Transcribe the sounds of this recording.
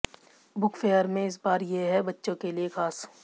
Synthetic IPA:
bʊkfeːəɾmẽɪs̬baːɾjeɦɛbɐtːʃõkeliexaːs

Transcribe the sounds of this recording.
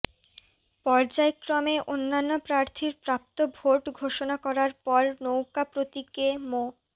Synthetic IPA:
pɔɾd͡ʑaekɾɔmeʔonːanːopɾaɾt̪ʰiɾpɾap̚t̪obʱoʈɡʱoʃonakɔɾaɾpɔɾnowkapɾot̪ikemo

